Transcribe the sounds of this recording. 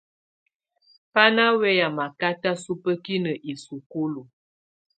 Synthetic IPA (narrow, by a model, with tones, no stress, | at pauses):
pa˦na˦wɛ˦ja˨ma˨ka˦ta˦su˦pə˦ki˦nə˨ʔi˨su˨ku˦lu˨